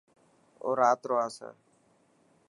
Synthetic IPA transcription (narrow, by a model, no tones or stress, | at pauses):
o̰ːɾaːt̪ɾoːaːsə̰